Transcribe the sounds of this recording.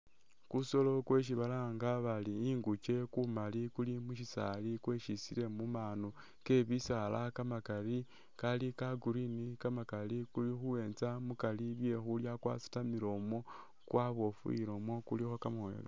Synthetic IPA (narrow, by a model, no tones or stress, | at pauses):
kuso̞lo̞kwe̞ʃ̬iβalaŋɡaβaliːŋɡut͡ʃe̞kumalikulimuʃisa̰likweʃisile̞mumaːno | ke̞βisalakamakali | kalikaɡuɾinikamakalikulixuwe̞ːnt͡samukaliβje̞xuljakwa̰si̥tamiɾo̞mo̞ | kwʔaβo̞fṵḭɾo̞mo̞kulixo̞kamwe̞̰ːlo